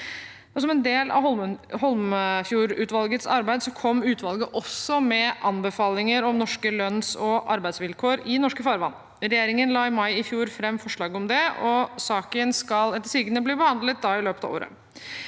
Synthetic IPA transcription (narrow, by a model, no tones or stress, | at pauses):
ɔs̬ɔmɛnd̪eːlɑ̰ɔhɔlmfjuːɾʉːt̪ʋɑlɡət̪sɑ̰ɾbæɪd̪sɔkʰɔmːʉːt̪ʰʋɑlɡəʔɔsɔmɛʔɑnbəfɑːlɪŋəɾɔmnɔʂkəlœnsɔʔɑɾbæɪsʋɪlkʰoːɾɪnɔʂkəfɑːɾʋɑ̰nː | ɾɛjeːɾɪŋənlɑːɪmɑɪɪfjuːɾfɾɛmːfɔʂɭɑːɡəɔmd̪ɛɔsɑːkənskɑlɛt̪ːəʂiɡənəbliːbəhɑnd̪lət̪̚d̪ɑːɪløːpət̪ɑ̰ʋo̰ːɾə̰